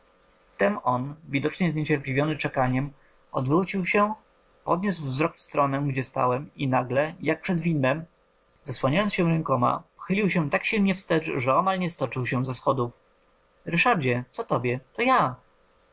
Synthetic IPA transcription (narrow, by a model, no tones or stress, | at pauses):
ft̪ɛmɔnvʲid̪ɔt͡ʂɲɛzɲɛt͡ɕɛɾplʲivʲjɔnɘt͡ʂɛkaɲɛm | ɔ̰d̪vɾut͡ɕiwɕɛ | pɔd̪ɲusvzɾɔkfst̪ɾɔnɛ̃ɡd͡ʑɛst̪a̰wɛminaɡlɛjak̚pʂɛd̪vʲinɛm | zaswaɲajɔnsɕɛ̃ɾɛŋkɔma̰pɔ̥xɘlʲiwɕɛt̪akɕilɲɛfst̪ɛt͡ʂʐɛɔmalɲɛst̪ɔt͡ʂɘwɕɛzasxɔd̪uf | ɾɘʂaɾd͡ʑɛt̪sɔt̪ɔbʲjɛt̪ɔja